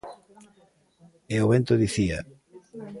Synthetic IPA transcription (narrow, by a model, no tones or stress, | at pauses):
eoβent̪oðiθia̰